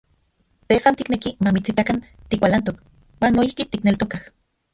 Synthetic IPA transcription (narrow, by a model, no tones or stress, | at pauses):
t̪esant̪iknekimamit͡sit̪akant̪ikʷalant̪̬ok | waːnːoihkit̪iknelt̪okah